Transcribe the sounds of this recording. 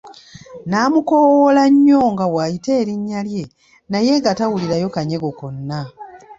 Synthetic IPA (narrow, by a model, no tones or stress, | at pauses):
naːmuko̞wolaɲːo̞ːŋɡawajite̞ːɾiɲːalje̞ | naje̞ɡatawuliɾajo̞kaɲe̞ɡo̞ko̞nːa